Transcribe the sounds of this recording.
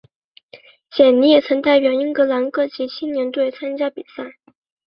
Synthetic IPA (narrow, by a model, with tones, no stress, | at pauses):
t͡ɕjɛ˨˩nni˧˥jɛ˨˩t͡sʰɤ˧˥ŋt̪a˥˩ɪpjɑ˨˩ʊi˥ŋkɤ˧˥la˧˥nkɤ˥˩t͡ɕi˧˥t͡ɕʰi˥nnjɛ˧˥nt̪we˥˩ɪt͡sʰa˥nt͡ɕja˥pḭ˨˩sa˥˩ɪ